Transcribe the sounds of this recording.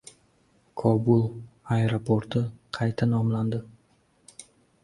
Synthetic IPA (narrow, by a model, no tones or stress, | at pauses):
kʰɒbulˠaeɾopʰoɾt̪ʰɪqʰɑjt̪ʰanɒmland̪ɪ